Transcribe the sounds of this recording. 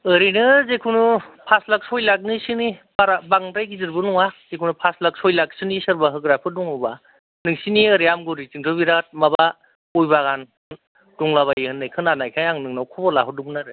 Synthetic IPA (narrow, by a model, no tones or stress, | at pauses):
ɯɾinɯzekʰunupʰaslak̚sɔjlak̬̚nisɯnibaɾabaŋtajkʰizɯɾbɯnɔŋaz̥ekʰunupʰaslak̚sɔjlak̚sɯnisɯɾbaɦɯɡɾapʰɯduŋɯba | nɯŋsiniəɾijamɡɯɾit͡ʃɯŋtʰɯbiɾat̚maba | ɔjbaɣan | d̥uŋlaβajihɯnːɯjkʰɯnanajkʰajaŋnɯŋnawkʰɔbɔlaɦɯduŋnaɾɯ